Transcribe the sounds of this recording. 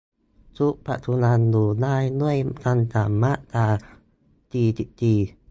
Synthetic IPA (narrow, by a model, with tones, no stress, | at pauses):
t͡su˦ʔpa̰˧˨t̪ʰu˧na˧ndu˨˩na˧jnu˦˥ə˨jt̪a˧nt̪a˨ma˦˥ʔt̪a˧ | t̪iː˧t̪i˧ʔt̪iː˧˩